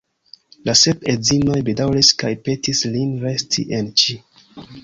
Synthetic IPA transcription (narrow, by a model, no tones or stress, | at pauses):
lase̞pezino̞jbidawliskajpe̞tislinɾe̞stʰḭʔent͡ʃi